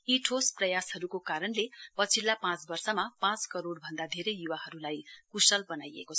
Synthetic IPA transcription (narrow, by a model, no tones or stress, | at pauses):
iʈʰosprʌjashʌɾukokaɾʌnlepʌt͡sʰilːapãt͡sbʌrsʌmapãt͡skʌɾoɽbʱʌnd̪ad̪ʱeɾʌjjuwaɦʌɾulajkusʌlbʌnajḛkot͡sʰʌ